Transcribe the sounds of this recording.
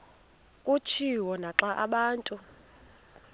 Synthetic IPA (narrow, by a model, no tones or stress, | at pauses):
kʼut͡ʃʰiwɔnaǁaʔaɓaːntʼu